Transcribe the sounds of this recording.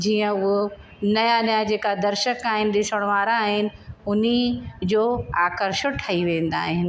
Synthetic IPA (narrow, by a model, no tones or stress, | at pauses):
d͡ʑiːə̃ʊɦo | nɐjanɐjad͡ʑeːkad̪ɐɾʃəkaːɦɪnɪ̆ɗɪsəɽ̃ʋaːɾaːɦɪnɪ̆ʊnid͡ʑoːaːkəɾʃəʈʰaːiʋẽːn̆d̪a̰ːɦɪnɪ̆